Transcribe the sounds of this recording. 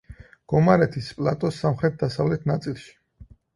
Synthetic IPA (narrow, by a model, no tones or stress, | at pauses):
ɡ̥ɔmaɾɛt̪ʰispʼlˠat̪ʼɔsːamχɾɛt̪̚d̪asavlɛt̪ʰnat̪sʼilˠʃi̥